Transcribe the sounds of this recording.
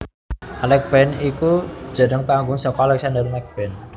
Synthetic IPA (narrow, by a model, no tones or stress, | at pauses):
ʔalɛk̚b̥ɛniku̥d͡ʒ̥a̤nəŋpaŋɡʊŋsɔkɔalɛk̚sandərmak̚b̥ɛn